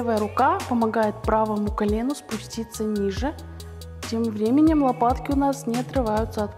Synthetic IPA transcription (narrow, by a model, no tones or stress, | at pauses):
vəjəɾʊkapəmɐɡajɪt̪̚pɾavəmʊkɐlʲe̞nʊspʊsʲtʲit̪sːənʲiʐɨ | tʲe̞mvɾʲemʲɪnʲɪmlˠɐpat̪kʲɪʊnasnʲɪɐt̪ɾɨvajʊt̪səɐt̪